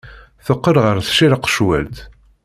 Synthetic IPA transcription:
θəqːəɾʁəɾθʃiɾəqːʃwæ̰lt̪

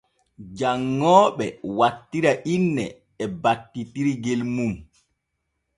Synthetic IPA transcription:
d͡ʒaŋːɔːɓɛwatːiɾaʔinːɛː | batːitiɾiɡelmum

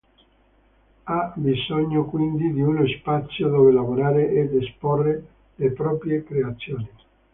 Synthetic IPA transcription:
abizɔɲːokwind̪id̪iunospat̪sːjod̪ɔːvelavoɾaːɾeʔed̪esporːe | lepɾɔːpɾjekɾeat̪sːjoːni

